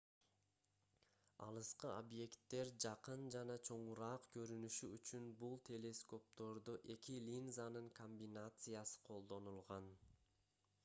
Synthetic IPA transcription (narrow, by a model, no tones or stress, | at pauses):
ɑ̰lˠɯsqɯobje̞kt̪ːe̞ɾd͡ʒɑqɯnd͡ʒɑnɑt͡ʃʰo̞ɴuɾɑːqkʰø̞ɾynyʃyyt͡ʃynbulˠt̪ʰʲe̞lʲe̞sko̞p̚t̪o̞ɾd̪uʔe̞kilʲinzanɯŋkʰo̞mʲbʲinat̪sɨjasɯ̥qʰo̞lˠd̪o̞nulˠʁɑn